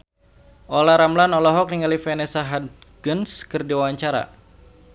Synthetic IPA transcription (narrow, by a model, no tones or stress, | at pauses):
ʔɔlaɾamlanɔlɔɦɔk̚niŋalifɛnɛsaɦad̚ | ɡ̥ənskɨrdiwawaɲt͡ʃaɾa̰